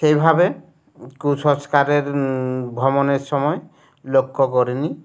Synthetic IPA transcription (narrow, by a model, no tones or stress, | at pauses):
sejbʱabe | kusɔskaɾeɾbʱɔmɔneɾsɔmɔe | lokːɔkɔɾini